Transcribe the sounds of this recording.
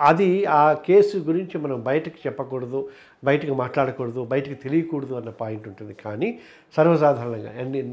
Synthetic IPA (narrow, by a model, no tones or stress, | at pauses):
ɐd̪iaːke̞ːsuɡuɾiɲt͡ʃimɐnɐmbɐjɐʈɐki̥t͡ʃɛpːɐkoːɽɐd̪u | bɐjɐʈɐkimaːʈlaːɽɐkuːɽɐd̪ubɐjɐʈɐkit̪e̞lijɐkuːɽɐd̪uɐnːɐpaːjiɳʈuɳʈund̪ikaːniː | sɐɾʋɐsaːd̪ʱaːɾɐɳɐŋɡa̰ːɐnːi